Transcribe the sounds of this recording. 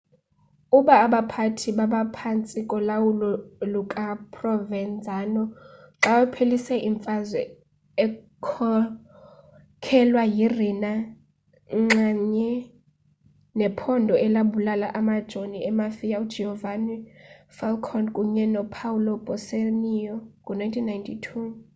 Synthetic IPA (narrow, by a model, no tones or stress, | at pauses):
uɓaːɓapʰatʰiɓaɓapʰant͡sʼikʼɔlawulɔlukʼapʰʼrɔvɛnd͡zʱaːnɔ | ǁawɛpʰelisɛʔiɱfʼazwɛ | ɛ | kʰɔ | kʰɛlwajirina | ŋ͡ǁaɲɛ | nɛpʰɔndʱɔɛlaɓulalaʔamad̥ʒ̥ʱoniɛmafijaud̥d͡ʒɛhɔvanifalkʰɔnkʼuɲɛnɔpʰawulɔb̥ʱɔsenijɔkʼunajntʰinːajntʰitʰu